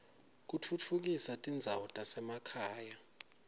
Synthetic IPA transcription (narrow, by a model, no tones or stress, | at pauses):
k̬ut͡fʰut͡fʰuk̬isatʼind͡zʱawutʼasɛmakʰaːja